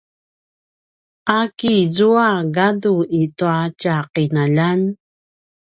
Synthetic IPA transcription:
ʔakizuaɡaduituacaqinaʎan

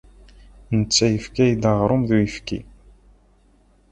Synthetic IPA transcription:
nət͡sːæjəfkæjd̪əʁɾˤʊmðujəfkḭ

